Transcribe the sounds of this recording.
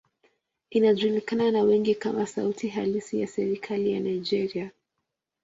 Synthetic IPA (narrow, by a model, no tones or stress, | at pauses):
inaʄulikananawɛŋɡikamasa̰utʰiɦalisijasɛɾikʰalija̰naid͡ʒɛɾia